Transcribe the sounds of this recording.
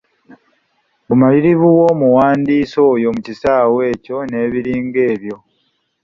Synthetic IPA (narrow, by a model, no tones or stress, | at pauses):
bumaliɾiβuwo̞ːmuwaːndiːso̞ːjo̞mucisaːwe̞ːco̞ne̞ːβiɾiːŋɡe̞ːβjo̞